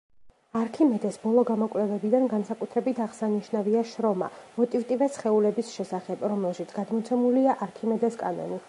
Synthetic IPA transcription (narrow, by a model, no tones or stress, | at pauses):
aɾkʰimɛd̪ɛsbɔlˠɔɡamɔkʼlɛvɛbid̪anɡansakʼut̪ʰɾɛbit̪ʰaʁsaniʃnaviaʃɾɔma̰mɔt̪ʼivt̪ʼivɛsχɛulɛbisʃɛsaχɛbɾɔmɛlˠʃit̪sʰɡ̥ad̪mɔt̪sʰɛmuliaʔaɾkʰimɛd̪ɛskʼanɔ̰ni